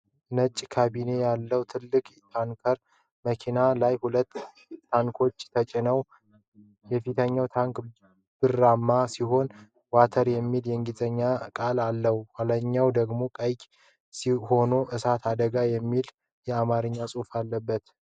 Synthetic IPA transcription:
nət͡ʃʼːkʰabine̞jalːəwt̪ʰɨlːɨkʼt̪ʰaŋkʰəɾ | məkʰinalajhulət̪ː | t̪ːʰaŋkʰo̞t͡ʃːt̪ʰət͡ʃʼɪnəw | jɛfit̪ʰəɲːawt̪ʰaŋk | b̥ɨrːamːasiɦo̞n | wat̪ʰəɾjɛmːiljɛŋɡizʼəɲːakʼalalːəhuwaləɲːawd̪əɡmo̞kʼəjkʼ | siho̞noʔɨsat̪ʰad̪əɡajɛmːil | jɛamaɾɨɲːasʼufalːəbːət̪

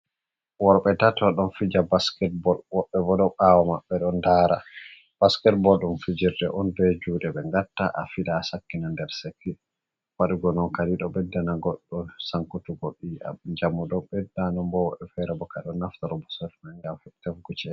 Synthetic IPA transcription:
wɔɾɓɛtatɔɗɔnfid͡ʒabaskɛt̚bɔlwɔɓːɛbɔɗɔʔawamaɓːɛɗɔndaːɾa̰ | b̥askɛt̚bɔlɗumfid͡ʒiɾdɛʔɔndɔjd͡ʒuɗɛbɛŋɡatːaʔafiɗaːsakːinandɛɾsekːi | waɗuɡɔnɔnkaliɗɔbɛdːanaɡɔɗːɔsaŋkutuɡoɗːiʔa̰md͡ʒamːuɗɔbɛdːanɔmbɔwɔɓɛfɛɾɛbɔkaɗɔnːaftaɾɔbɔsɛfmaŋɡamfɛtɛfɡut͡ʃɛ

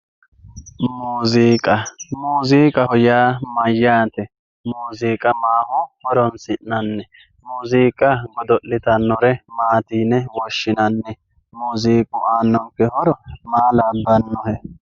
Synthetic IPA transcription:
muːziːkʼɐmuːziːkʼɐhɔjaːmɐjːaːt̪ɛ | muːziːkʼɐmaːhʊhɔɾɔnsɪnːɐnːɛ | muːziːkʼːɐɡɔd̪ɔʔlɪt̪ɐnːɔɾɛmaːt̪iːnɛwɔʃːɪnɐnːɛ | muːziːkʼʊʔaːnːɔŋkːɛhɔɾɔmaːlaːbːɐnːɔhɛ

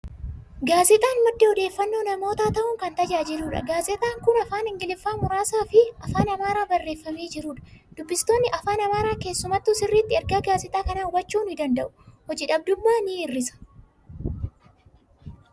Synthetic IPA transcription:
ɡaːzɛt̪ʼaːnmɐd̪ːehɔd̪e̞ːfːɐnːo̞ːnɐmo̞ːt̪aːt̪ɐʔʊŋkɐnt̪ɐd͡ʒaːd͡ʒɪluːᶑɐ̰ɡaːzɛt̪ʼaːŋkʊnɐfaːnɪŋɡɪlɪfːaːmʊɾaːsaːfɪɐfaːnɐmaːɾaːbɐrːe̞ːfːɐme̞ːd͡ʒɪɾuːᶑɐ̥d̪̥ʊbːɪst̪o̞ːnːɪʔɐfaːnɐmaːɾaːke̞ːsːʊmɐt̪ːʊsɪrːiːt̪ːɪɛɾɡaːɡaːzɪt̪ʼaːkɐnaːʊwɐt͡ʃːuːnɪd̪ɐnd̪ɐʔʊ̥hɔd͡ʒɪᶑɐb̚d̪ʊmːaːniːrːɪsɐ̥

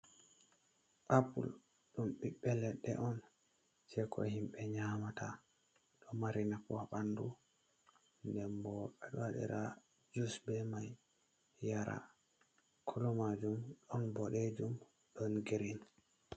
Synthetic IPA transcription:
ʔapṵl | ɗumɓiɓːɛlɛɗɛ̰ʔɔn | sɛkʰɔ̰himɓɛɲaːmatʰa | ɗɔmaɾinakɔaɓandu | ndɛnbɔɛɗɔwaɗɛ̰ɾa | d͡ʒusbɛmaj | jaɾa̰ | kʰɔlɔmad͡ʒumɗɔnbɔɗed͡ʒum | ɗɔnɡiɾin

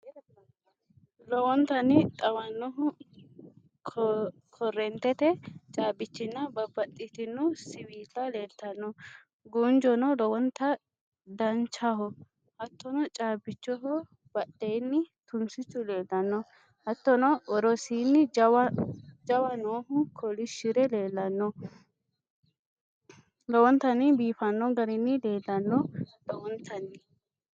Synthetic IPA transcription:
lɔwɔnt̪ɐnɪt̪ʼɐwɐnːɔɦʊ | kʰɔrːɛnt̪ɛt̪ɛt͡ʃʼaːbɪt͡ʃːɪnːɐbɐbɐtːɪt̪ɪnːʊsɪwiːt̪ʼːɐleːlt̪ɐnːɔ | ɡund͡ʒɔnɔlɔwɔnt̪ːɐ | d̪ɐnt͡ʃɐhɔ | hɐt̪ːɔnɔt͡ʃʼaːbɪt͡ʃːɔɦɔ | b̥ɐɗːejnːɪt̪ʊnsɪt͡ʃːʊle̞ːlːɐnːɔ | hɐt̪ːɔnɔʔɔɾɔsiːnːɪ | d͡ʒɐwɐnoːɦʊkʰɔlɪʃɪɾɛleːlːɐnːɔ | lɔwɔnt̪ːɐnɪbiːfɐnːɔɡɐɾɪnːɪle̞ːlːɐnːɔlɔwɔnt̪ʰɐnːɪ

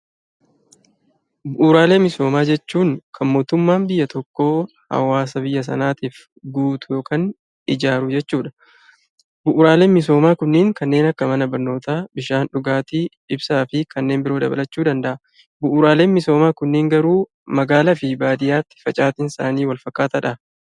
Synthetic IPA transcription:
bʊʔʊɾaːle̞ːmːɪso̞ːmaːd͡ʒɛt͡ʃːuːŋkʰɐnmo̞ːt̪ʊmːaːnbɪjːɐt̪ɔkːo̞ː | hɐ̰waːs̬ɐbɪjːɐs̬ɐ̰naːt̪iːf | ɡuːt̪ʊjo̞ːkʰaːn | ɪd͡ʒaːɾʊd͡ʒɛt͡ʃːuːᶑɐ̥ | bʊʔʊɾaːle̞ːnmɪso̞ːmaːkʊnːɪːŋkɐnːe̞ːnɐkːɐmɐnɐbɐɾno̞ːt̪aːbɪʃaːnᶑʊɡaːt̪iᶑɪbsaːfɪkʰɐnːe̞ːmbɪɾo̞ːd̪ɐbɐ̰lɐt͡ʃːuːd̪ɐnd̪ɐʔɐ | bʊʔʊɾaːle̞ːnmɪso̞ːmaːkʊnːɪːŋɡɐɾuː | mɐɡaːlɐfɪbaːd̪ɪjaːt̪ːɪ̥fɐt͡ʃʼaːt̪ɪnsaːniːwɐlfɐkːaːt̪ɐᶑɐ

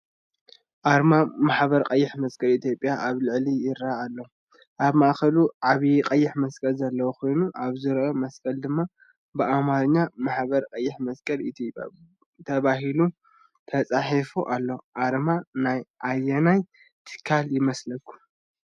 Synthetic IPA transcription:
ʔaɾmamaħbɐɾqʼɐjːɪħmɐskʼɐlit̪ʰjo̞pʼjaʔaβlɨʕlijɪɾaːlːɐ | ʔaβmaʔxɐluʕaβiqʼɐjːɪħmɐskʼɐlzɐlːɐwukʰo̞jnuʔaβzɨɾʔomɐskʼɐld̪ɨmːa | bɨʔamaɾɨɲːamaħbɐɾqʼɐjːɪħmɐskʼɐlit̪ʰjopʼja̰ | t̪ʰɐβaɦilu | t̪ʰɐt͡sʼaħifuʔalːɐʔaɾmanajʔajːɐnaj | t̪ʰɨ̥kʰːaljɪmɐslɐkʰːu̥

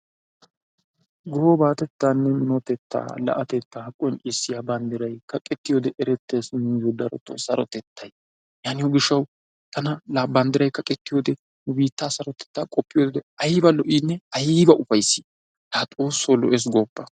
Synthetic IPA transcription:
ɡɔhobaːt̪ɛt̪ːaːnːɛmɪnot̪ɛt̪ːa̰ːlɐ̰ʔɐt̪ɛt̪ːahɐkʼɔjnʔɪsːɪjaːbɐnd̪ɪɾɐjkɐkʼɛt̪ːɪjoːd̪ɛʔɛɾɛt̪ːeːsmiːzod̪ɐɾɔ̰t̪ːo̰sɐɾɔt̪ɛt̪ʰːɐj | jaːnɪjoɡɪʃːɐw | t̪ɐnɐlabɐnd̪ɪɾɐjkɐkʼɛt̪ːɪjoːd̪ɛ | nʊbiːt̪ːaːsɐɾɔt̪ɛ̥t̪ːaːkʼɔpːɪjoːd̪ɛɐjbɐlɔʔiːnːɛɐjbɐʔʊfɐjsi | taːt̪ʼoːsːoːlɔ̰ʔeːs̬ɡoːpːɐ

